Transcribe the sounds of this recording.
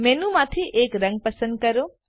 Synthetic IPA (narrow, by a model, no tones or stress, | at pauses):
menũmat̪ʰiʔekɾɐ̃ŋɡ̚pəsənd̪̚kɐɾo